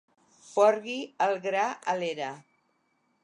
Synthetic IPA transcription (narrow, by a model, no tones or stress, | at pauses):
fɔɾɣiəlˠɣɾaəleɾa